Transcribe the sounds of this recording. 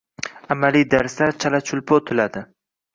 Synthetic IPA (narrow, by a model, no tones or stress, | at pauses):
amalid̪aɾslaɾt͡ʃʰalat͡ʃʰʊlˠpʰot̪ʰʊlad̪ɪ